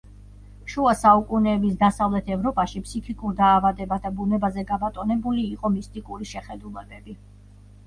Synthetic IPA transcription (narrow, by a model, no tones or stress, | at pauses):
ʃuasaukʼunɛːbis̬d̪asavlɛt̪ʰɛvɾɔpʼaʃipʰsikʰikʼuɾd̪aːvad̪ɛbad̪abunɛbazɛɡabat̪ʼɔnɛbuliːqʼɔmist̪ʼikʼuɾiʃɛχɛd̪ulˠɛbɛbi